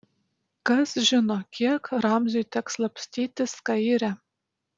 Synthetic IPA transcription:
kɐsʒʲɪnokʲʰiɛkɾɑmzʲujt̪ʲɛkslˠɐpʲsʲt̪ʲiːt̪ʲɪskɑiɾʲæ

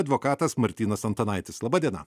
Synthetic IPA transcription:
ɐd̪ʋokɑːt̪ɐsmɐɾʲt̪ʲiːnɐsɐnt̪ɐnɐɪt̪ʲɪslˠɐbɑːd̪ʲiɛnɐ̰

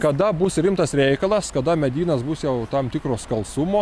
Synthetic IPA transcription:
kɐd̪ɐbʊsɾʲɪmt̪ɐsɾʲɛɪkɐlˠɐskɐd̪ɐmʲɛd̪ʲiːnɐsbʊsjɛʊt̪ɐmt̪ʲɪkɾoːskɐlˠsʊmoː

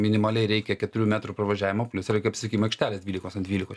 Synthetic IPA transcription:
mʲɪnʲɪmɐlʲɛɪɾʲɛɪkʲɛkʲɛt̪ʊɾʲuːmʲæːt̪ɾuːpɾɐʋɐʒʲæːʋʲɪmopʲlʲʊsɪɾɐkpsɪskʲiːmɐɪkʃʲt̪ʲæːlʲesd̪ʲʋʲiːlʲɪkoːsɐndʲʋʲiːlʲɪkoː

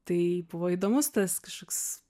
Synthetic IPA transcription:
t̪ɐɪbʊʋoːid̪oːmʊst̪ɐskɐʃkoːks

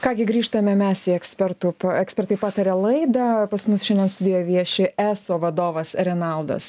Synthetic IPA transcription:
kɑːɡʲɪɡɾʲiːʃt̪ɐmʲɛmʲɛsiɛksʲpʲɛɾt̪ʊpɐɛksʲpʲɛɾt̪ɐɪpɑːt̪ɐɾʲɛlˠɐɪd̪ɐpɐsmʊsʃʲɛnd̪ʲɛnst̪ʊd̪ʲeːjoːʋʲiɛʃʲɪʔæːsoːʋɐd̪oːʋɐsɾʲɛnɐlˠd̪ɐ̰s

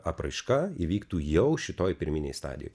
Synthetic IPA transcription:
ɐpɾɐɪʃkɑiʋʲiːkt̪uːjɛʊʃʲɪt̪oːjpʲɪɾʲmʲɪnʲḛɪst̪ɑ̰ːd̪ʲɪjo̰ː

